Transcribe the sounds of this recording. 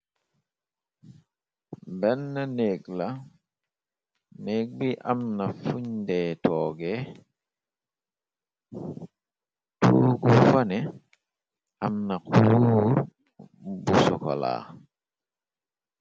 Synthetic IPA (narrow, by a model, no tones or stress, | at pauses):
bɛnːaneːɡla | neːk̚biʔamnafuɲdetɔːɡe | tṵːɡufanɛ | amnakuluːɾ | busɔko̰la̰